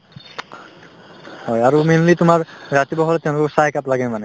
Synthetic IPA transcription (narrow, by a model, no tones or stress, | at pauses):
hɔjaɹuminlit̪ʊmaɹɹat̪ibɔɦɔlɛt̪ɛʊ̃lʊkɔsajkaplaɡɛmanɛ